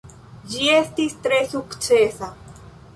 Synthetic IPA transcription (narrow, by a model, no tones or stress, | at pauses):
ʒiest̪ist̪ɾesukt͡ʃeːsa